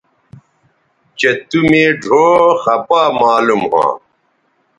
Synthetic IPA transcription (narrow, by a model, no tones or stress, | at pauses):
t͡ɕɐt̪umẽːɖʱoːxɐpaːmaːlumɦã̰ː